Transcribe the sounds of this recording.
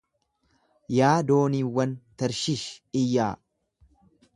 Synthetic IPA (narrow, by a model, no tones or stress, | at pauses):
jaːd̪o̞ːniːwːɐnt̪ɐɾʃɪʃɪjːaː